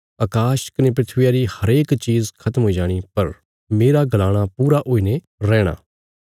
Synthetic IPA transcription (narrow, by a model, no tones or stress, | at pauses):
ɐkaːʃkɐnep̬ɾɪt̪ʰʋɪjaɾihɐɾeːkt͡ʃiːzkʰɐt̪əmɦoːid͡ʒaːɽ̃ipɐɾ | meːɾaɡɐlaːɽ̃apuːɾaʔoːiːne | ɾɛːɽ̃a̰ː